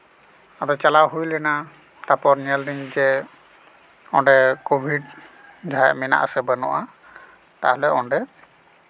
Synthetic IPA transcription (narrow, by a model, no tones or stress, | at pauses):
adɔt͡ʃalawɦujlɛna | t̪apɔɾniɛldiɲd͡ʒɛ | ɔnɖɛkobʱiɖ | d͡ʒaaʔmɛna̰ʔa̰sɛbanɔ̰ʔa | t̪aɦɔlɛɔɳɖɛ